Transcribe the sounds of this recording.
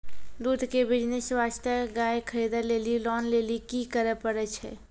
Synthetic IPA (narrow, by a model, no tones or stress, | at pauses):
d̪ud̪ʱkebid͡ʒneswast̪əɡajkʰəɾid̪əlelilɔnlelikikəɾəpəɾɛt͡ʃʰɛ̰